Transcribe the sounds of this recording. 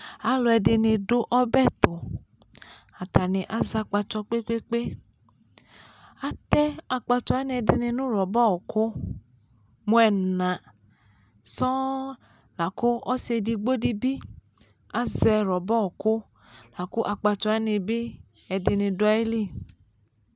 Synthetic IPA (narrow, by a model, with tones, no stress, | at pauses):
a˨˦lo˧ɛ˧dɪ˧nɪ˧dʊ˦ʔɔ˦bɛ˦˨t̪o˨ | a˨ta˨ni˨ʔa˨˦za˧k͡pa˧t͡ʃɔ˧k͡pe˦k͡pe˦k͡pe˦ | a˦t̪ɛ˦a˧k͡pa˧t͡ʃɔ˧ɛ˦ni˧ɛ˧di˧ni˧nũ˦ɾɔ˨bɔ˦˨ko˦ | mu˧˦ɛ˨nã˨ | sɔ˦ | la˨ko˦ɔ˦se˧di˧ɡ͡bo˦di˧bi˦ | a˦zɛ˧ɾɔ˨bɔ˦˨kʊ˦ | la˨ko˦ʔa˧k͡pa˧t͡ʃɔ˧ɛ˦ni˧bi˦ | ɛ˧di˧ni˧dʊ˧˦i˦li˦˨